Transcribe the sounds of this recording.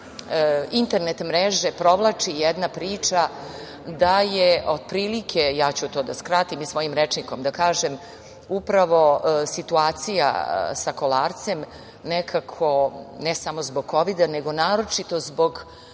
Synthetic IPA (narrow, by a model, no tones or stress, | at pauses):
int̪e̞ɾne̞t̪mɾeʒe̞pɾo̞ʋlˠat͡ʂijɛd̪napɾiːt͡ʂa | d̪ajeʔo̞d̪̚pɾiːlikʰejaːt͡ɕut̪o̞ːd̪askɾat̪imisʋo̞jimɾet͡ʂniko̞md̪akaːʒem | upɾaʋo̞sit̪uaːt̪sija̰sako̞laːɾt̪se̞m | nekʰakʰo̞nɛsamo̞zboɡ̚ko̞ʋid̪aneɡo̞naːɾo̞t͡ʃit̪o̞zbo̞ɡ